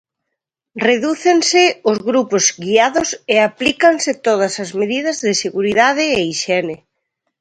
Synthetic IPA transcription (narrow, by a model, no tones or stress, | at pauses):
reðuθensɪozɣɾupozɡiaðʊseaplikansɪt̪oð̞ɐsɐzmeðið̞ɐzðɪseɣuɾiðað̞ɪːiʃɛnɪ